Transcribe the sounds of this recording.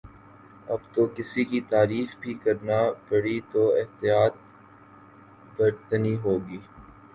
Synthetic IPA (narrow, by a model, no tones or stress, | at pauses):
ɐbt̪okɪsikit̪aːɾiːxbʱikɐɾnapɐɽit̪oɪɦt̪ijaːt̪̚ | bɐɾt̪niɦoːɡiː